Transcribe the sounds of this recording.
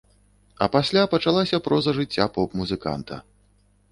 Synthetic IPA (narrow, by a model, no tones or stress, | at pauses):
ɐ̰pasʲlʲapɐt͡ʂalˠasʲɐpɾɔzɐʐɨt͡sʲːapɔpmuzɨka̰nt̪ʰɐ̰